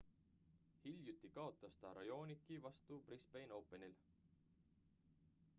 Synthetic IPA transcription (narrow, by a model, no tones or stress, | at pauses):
hilʲjut̪ːikɑo̞t̪ːˑɑst̪ɑɾɑjo̞ːnikːˑivɑst̪uprispejno̞wpːˑe̞nil